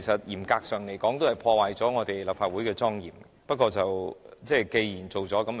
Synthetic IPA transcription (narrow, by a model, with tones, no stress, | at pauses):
jsɐ˨t̚jiː˨˩mkaː˧k̚sœː˨ŋle˨˩jkɔː˨˥ŋt̪o˥whɐ˨˩jpʰɔː˧waː˨jt͡sɔː˨˥ŋɔː˨˧t̪e˨jlaː˨p̚faː˧t̚wuː˨˥jkɛː˧t͡sɔː˥ŋjḭː˨˩m | pɐ˥t̚kːɔː˧t͡sɐ˨wt͡sɛː˥˧jke˧jjiː˨˩nt͡so˨wt͡sɔː˨˥kɐ˨˥m